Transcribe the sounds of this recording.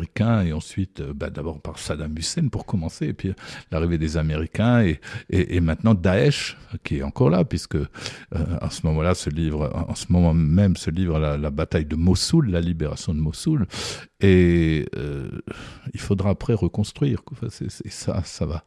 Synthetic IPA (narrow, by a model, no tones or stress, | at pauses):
ikʲɛ̃eɑ̃sɥit̪øbad̪abɔʁpaʁsad̪amysɛnpuʁkɔmɑ̃seːpɥilaʁived̪ezameʁikʲɛ̃eɛʔːmɛ̃t̪nɑ̃d̪aɛʃkʲiɛt̪ɑ̃kɔʁlapɥiskəø̰ɑ̰̃səmɔmɑ̃lasəlivʁɑ̰̃səmɔmɑ̃mɛmsəlivʁalalabat̪ajd̪əmɔsulːalibeʁa̰sjɔ̃d̪əmɔsuleø̰ | ilfod̪ʁapχɛʁəkɔ̃st̪χɥiːʁkwãfɛ̰̃sɛ̰sɛsa̰sava